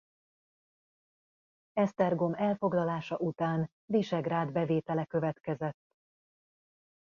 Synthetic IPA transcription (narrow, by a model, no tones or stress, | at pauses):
ɛst̪ɛrɡo̞mɛlfo̞ɡlɒlaːʃɒʔut̪aːn | d̪iʃɛɡraːd̪bɛveːt̪ɛlɛkø̞vɛt̪kɛzɛt̪ː